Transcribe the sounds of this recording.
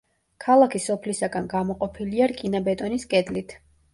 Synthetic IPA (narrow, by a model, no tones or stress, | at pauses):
kʰalˠakʰisɔpʰlisaɡanɡamɔqʼɔpʰiliaɾkʼinabɛt̪ʼɔniskʼɛd̪lit̪ʰ